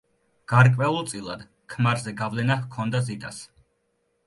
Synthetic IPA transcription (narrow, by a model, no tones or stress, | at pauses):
ɡ̥aɾkʼvɛlˠɔt̪sʼilˠa̰d̪̥ | kʰmaɾzɛɡavlɛnahkʰɔnd̪azit̪ʼas